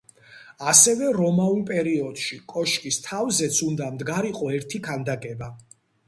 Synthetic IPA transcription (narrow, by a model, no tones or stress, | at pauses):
asɛvɛɾɔmaulˠpʼɛɾiɔd̪̥ʃikʼɔʃkʼist̪ʰavzɛt̪sʰund̪amd̪ɡaɾiqʼɔɛɾt̪ʰikʰand̪aɡʼɛba